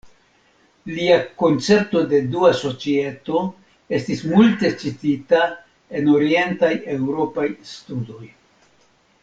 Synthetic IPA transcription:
liako̞nt͡se̞ɾto̞de̞duaso̞t͡sie̞to̞ | e̞stismulte̞t͡ʃitita | e̞no̞ɾie̞ntaje̞wɾo̞pajstudo̞j

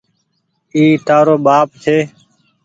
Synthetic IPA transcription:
iːʈ̪aːɾoːɓaːp̚t̪ʰeː

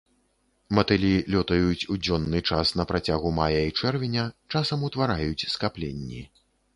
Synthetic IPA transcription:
mɐt̪ɨlʲilʲɔt̪ɐjut͡sʲud͡zʲɔnːɨt͡ʂasnɐpɾat͡sʲaɣumajɐit͡ʂɛrvʲinʲɐt͡ʂasɐmut̪vaɾajut͡sʲskaplʲḛnʲːi

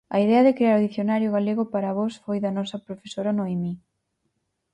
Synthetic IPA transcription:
ɐ̰iðɛɐðɪkɾeaɾoðiθjonaɾjʊɣaleɣʊpaɾɐβɔsfojðɐnɔsɐpɾofesoɾɐnoimi

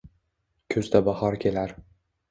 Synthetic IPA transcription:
kʲʰɵzd̪abɑhɒɾkʲʰe̞laɾ

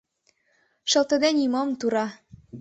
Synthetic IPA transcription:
ʃɤ̆lt̪ə̆d̪enʲimɤmt̪uɾɑ

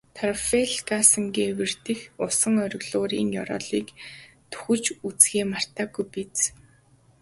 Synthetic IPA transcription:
t̪ʰarfeɮkasə̆ŋɡewɘ̆r̥t̪ɘ̆xʊsə̆ŋœɾʲɪ̆ɣɮʊːɾiːŋjɔɾɔ̰ːɮiːk | t̪ʰu̥xɘ̆t͡ɕut͡sɡeːmar̥t̪aːɡujpit͡s

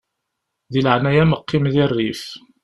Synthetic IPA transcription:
ðiləʕnæjæməqʰːimðɪrːif

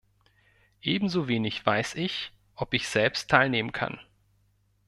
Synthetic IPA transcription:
ʔeːbm̩zoːveːnɪçv̥aɪsɪç | ʔɔpɪçz̥ɛlpstʰːaɪlneːmənkʰa̰n

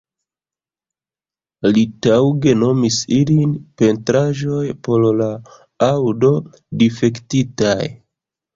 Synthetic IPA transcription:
litawɡe̞no̞misilinpe̞ntɾaʒo̞jpo̞lla | awdo̞ | dife̞ktitaj

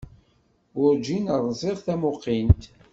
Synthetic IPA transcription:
ʊɾd͡ʒinəɾˤzˤɪʁθæmʊqːint̪

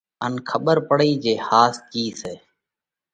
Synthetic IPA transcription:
ənkʰəɓəɾpəɽiːd͡ʒeːhaːskiːseː

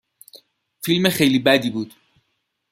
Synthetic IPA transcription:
filmexejliːbæd̪iːbuːd̪̥

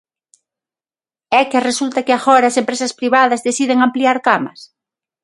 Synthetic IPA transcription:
ɛkɪresult̪ɐkɪaɣɔɾaːsempɾesɐspɾiβað̞ɐzðeθiðeŋampliaɾkamɐs

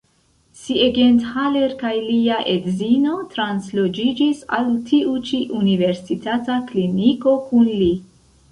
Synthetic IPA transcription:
sieɡenthaleɾkajliaʔedzino̞tɾanslod͡ʒid͡ʒisa̰ltʰiut͡ʃiʔunive̞ɾsitatakliniko̞kunli

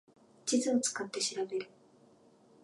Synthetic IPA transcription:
t͡ɕizɨot͡sɨ̥kat̪ːe̞ɕiɾabe̞ɾɯ̟

